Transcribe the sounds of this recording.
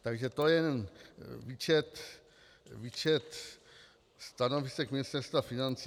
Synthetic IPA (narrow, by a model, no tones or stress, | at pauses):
t̪aɡʒɛt̪ojɛnɛnviːt͡ʃɛt̪ | vit͡ʃɛt̪ | st̪anovisɛkmɪnɪst̪ɛɾst̪vafinant͡si